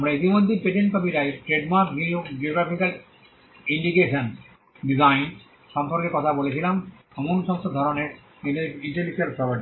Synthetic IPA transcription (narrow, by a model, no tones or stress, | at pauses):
amɾait̪imod̪ʱːipeʈenkobiɾaeʈɾeɖmaɾkd͡ʑid͡ʑioɡɾapikal | iɳɖikeʃon | ɖizajn | ʃɔmpɔɾkekɔt̪ʰabolet͡ɕʰilam | ɔmonʃɔŋst̪ʰod̪ʱɔɾoneɾ | eneiɳʈelid͡ʑalpɾɔpaɾʈi